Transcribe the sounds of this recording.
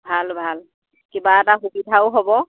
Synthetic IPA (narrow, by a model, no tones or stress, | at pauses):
bʱalbʱal | kibaɛtaxubidʱawʊɦobɔ